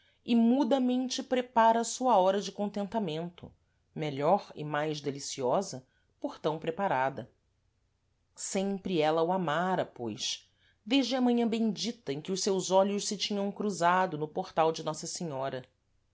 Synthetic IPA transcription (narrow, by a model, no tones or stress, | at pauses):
ɪmud̪ɐmẽnt͡ʃɪpɾepaɾɐːsuɐɔɾɐd͡ʒɪkõnt̪ẽnt̪amẽnt̪ʊ̰ | meʎɔɾɪ̰majzd̪elisiɔzɐ | poχt̪ɐ̃w̃pɾepaɾad̪ɐ | sẽmpɾɪɛlɐuamaɾɐpojs | d̪eʒd͡ʒɪɐmɐ̃ɲɐ̃bẽj̃d͡ʒit̪ɐẽkɪʊʃsewzɔʎʊʃsɪt͡ʃĩɲɐ̃w̃kɾuzad̪ʊnʊpoχt̪awd͡ʒɪnɔsɐseɲɔɾɐ